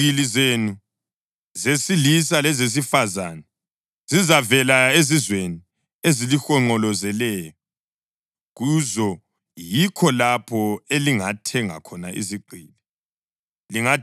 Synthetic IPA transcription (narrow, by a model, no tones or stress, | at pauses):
ilizenu | zesilis̬alɛzes̬ifazanɛ | z̥izavɛlaezizweni | ezilixɔŋ͡ǃɔlɔzɛlɛːjɔ | ɣuzɔ | jikʰɔlapʰɔeliŋatʰɛŋa̰kʰɔna̰ʔḭziǃʱiːlɛ | liŋa